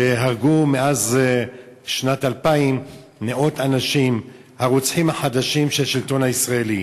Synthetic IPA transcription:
eɦaʁɡumeaz | ʃnatalpaim | neʔot̪anaʃim | haʁut͡sħimhaħad̪aʃimʃelʃilto̞nhaisʁaeli

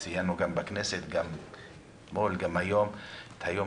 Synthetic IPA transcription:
sijanuɡambakneset̪ɡam | molɡamhajomt̪hajo

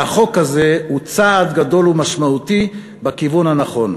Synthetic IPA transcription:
aχo̞khaze̞hut͡saːd̪ɡado̞lumaʃmaut̪i | bakivunhanaχo̞n

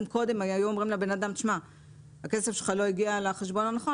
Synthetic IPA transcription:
mko̞d̪e̞majajuomʁimlebe̞nad̪amt̪iʃma | hakesefʃelχalo̞iɡialeχeʃbo̞nanaχo

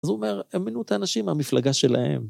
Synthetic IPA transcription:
azuome̞ʁeminuet̪aːnaʃimamiflaɡaʃe̞la̰he̞̰m

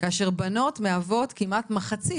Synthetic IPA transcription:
kaːʃeʁbano̞tmeavo̞tkimatmaχat͡si

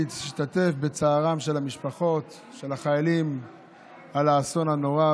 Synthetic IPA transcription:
iʃtate̞fbet͡saːʁamʃe̞lamiʃpaχo̞t̪ | ʃe̞laχajalim | alaːso̞nano̞ʁa

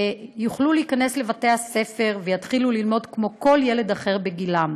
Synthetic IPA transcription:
juχluleikane̞sle̞vate̞ase̞fe̞ʁvejatχilulilmo̞dkmo̞ko̞lje̞le̞d̪aχe̞ʁbe̞ɡilam

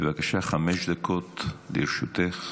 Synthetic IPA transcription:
bevakaʃaχameʃd̪akot̪liɾʃut̪eχ

